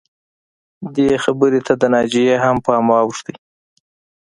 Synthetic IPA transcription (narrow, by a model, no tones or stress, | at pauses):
d̪exabəɾet̪ʰad̪ənɑd͡ʒijehampəmɑwʂt̪i